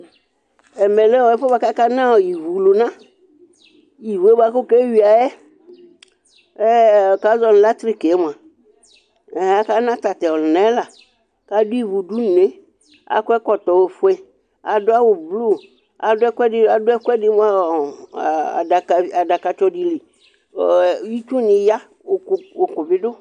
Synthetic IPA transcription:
ɛ˨mɛ̃˨lɛ˦wɔ˨˦ɛ˦fɔ˦ba˨ka˦ka˦nã˦wɔ˨ji˨vu˨lu˨nã˦ | ji˨vu˨˦e˦ba˦kʊ˦kɛ˦ɥi˨a˨jɛ˦ | ɛ˦˨ka˦zɔ˦n˨la˦t̪ɾi˦kɛ˦m˨a˨ | ɛ˨a˦ka˦nã˦t̪a˨t̪ɛ˨ɔ˨lnɛ̃˨˦la˨ | ka˦dʊ˦i˦˨vu˨du˦n˨ne˦ | a̰˨kʊ˦ɛ˦kɔ˨t̪ɔ˨we˨fʊ˦ɛ˦ | a˨dʊ˦a˦wʊ˨blu˦˨ | a˨dʊ˦ɛ˦kʷɛ˦ɪ˦a˨dʊ˦ɛ˦kʷɛ˦dɪ˦m˦a˦˨ | a˨a˨da˨ka˨t͡ʃɔ˦di˨li˨˦ | ji˦t͡ʃu˦nɪ̃˨ja˦˨ | o˨kʊ˨bɪ˦dʊ˦

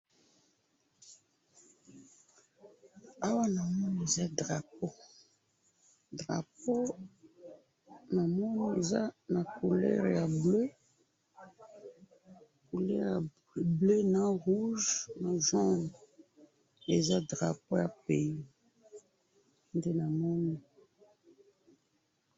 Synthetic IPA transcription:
a˦wa˦na˨mɔ˦n˨e˨za˦dʁa˨po˦ | dʁa̰˨po˦ | na˨mɔ˦n˦e˨za˦na˨ku˨lɛ̰˦ʁja˨blø˦ | ku˨lɛ̰˦ʁja˨ | ble˦na˦ʁu˦ʒna˨ʒɔ̃˦d | e˨za˦dʁa˨po˦ja˨pe˨i˦ | nde˦na˨mɔ˦ni˦

